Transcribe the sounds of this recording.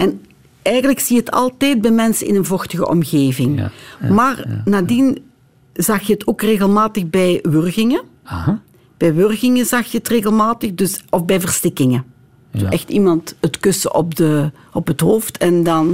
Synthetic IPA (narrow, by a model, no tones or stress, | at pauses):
ʔɛn | ɛjɣənləksiəɦətʰɑ̰lˠtɛjt̚bɛjmɛnsəɪ̰nənvɔxtəɣə̰ʔɔ̰mɣeːvɪŋmaːrnaːdin | zɑxjəətʰoːkreːɣəlˠmaːtəɣbɛjʋørɣɪŋə | b̥ɛjʋørɣɪŋəzɑxjəətreːɣəlˠmaːtəxdɵsɔfbɛjvərstɪkɪŋə̥ | uɛxtimɑntətkɵsə̰ʔɔp̚də | ɔpɦətɦoːftʰɛndɑn